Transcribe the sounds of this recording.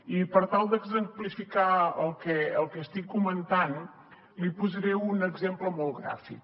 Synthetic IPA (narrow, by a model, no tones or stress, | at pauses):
ipəɾt̪alˠd̪əɡzəmplifikaəlˠkɛəlˠkɛst̪ikːumə̃nt̪an | lipuzəɾɛunəɡzempləmolˠɣɾa̰fḭk